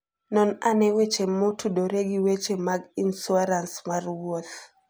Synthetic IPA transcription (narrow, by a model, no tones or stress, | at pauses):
nɔnanɛwet͡ʃemotʰudɔɾeɡiwet͡ʃemaɡinsuaɾansmarwɔt̪